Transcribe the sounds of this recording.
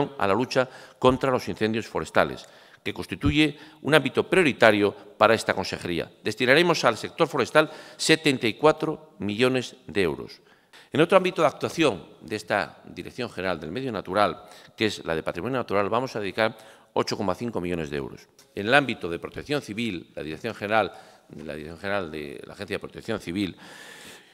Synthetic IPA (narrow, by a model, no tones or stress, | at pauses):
oŋa̰lalut͡ʃako̞nt̪ɾalo̞sinθe̞nd̪jo̞sfo̞ɾe̞st̪alḛs | ke̞konst̪it̪uʝe̞unambit̪o̞pɾjo̞ɾit̪aɾjo̞paɾae̞st̪akonse̞xe̞ɾḭa̰ðe̞st̪inaɾe̞mo̞salse̞k̚t̪o̞ɾfo̞ɾe̞st̪alse̞t̪e̞nt̪aikwat̪ɾo | miʎo̞ne̞zd̪ee̞wɾo̞̰s | eno̞t̪ɾoambit̪oðak̚t̪waθjo̞ŋd̪ee̞st̪a̰d̪iɾekθjo̞ŋxeneɾald̪e̞lme̞ðjo̞nat̪uɾalke̞zla̰ðe̞pat̪ɾimo̞njonat̪uɾalβamo̞saðeðikaɾ | o̞t͡ʃo̞ko̞maθiŋko̞miʎo̞ne̞zðeḛwɾo̞̰s | ene̞lambit̪oðe̞pɾot̪ekθjo̞nθiβilːa̰ðiɾekθjo̞ŋxeneɾalela̰ðiɾeθjoŋxeneɾald̪ḛla̰xe̞n̟θjaðepɾot̪ekθjõ̞nθiβil